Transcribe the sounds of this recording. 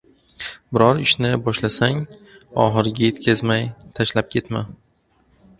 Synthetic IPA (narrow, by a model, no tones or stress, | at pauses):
bɪɾɒɾɪʃnɪbɒʃlasaŋɒχɨɾɡʲaje̞t̪kʲʰazmajt̪ʰaʃlap̚kʲʰe̞t̪ma